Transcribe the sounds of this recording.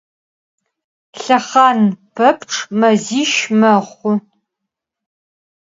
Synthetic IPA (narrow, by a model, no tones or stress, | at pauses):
ɬɐχɑːnpʰɐpʈ͡ʂʼʰmɐziːʃmɐʁχʷʊ